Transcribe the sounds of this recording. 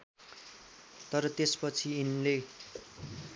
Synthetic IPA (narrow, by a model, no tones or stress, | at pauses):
t̪ʌɾʌt̪espʌt͡sʰiinle